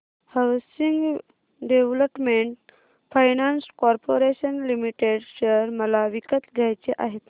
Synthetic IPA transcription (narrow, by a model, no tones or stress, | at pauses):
hawsiŋɡ | ɖeʋləpmeɳʈ | fʰajnanskɔɾpoɾeɕənlimiʈeɖɕəɾməlaʋikət̪ɡʱjajt͡ɕeʔaɦet̪